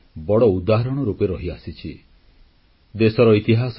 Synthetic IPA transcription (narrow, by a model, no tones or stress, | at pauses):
bɔɽɔud̪aɦaɾɔɽ̃ɔɾupeɾɔɦiasit͡ʃʰi | d̪esɔɾɔit̪iɦas